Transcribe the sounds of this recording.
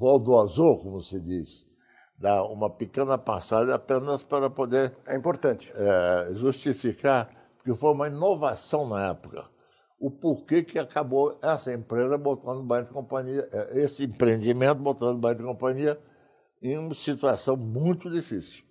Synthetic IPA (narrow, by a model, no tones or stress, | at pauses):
vɔwd̪oazokõmʊsɪd͡ʒ̪isɪ̥ | d̪aũmɐpikẽnɐpasadɐapẽnɐspaɾɐpod̪eɾɛĩpoɾt̪ɐ̃t͡ʃɪ̥ɛʒust͡ʃifikaɾ | pʊɾkefojũmɐĩnovasɐ̃w̃nɐɛpʊkɐ̰ | ʊpoɾkekɪakaboɛsɐẽmpɾezɐbot̪ɐ̃nd̪ʊbɐ̃j̃d̪ɪkõpɐ̃ɲiɐʔɛesɪẽmpɾẽnd͡ʒ̪imẽnt̪ʊbot̪ɐ̃nd̪ʊbɐ̃j̃d̪ɪkõpɐ̃ɲiɐ | ẽj̃ũmɐsit̪uasɐ̃w̃mũj̃t̪ʊd͡ʒifisiw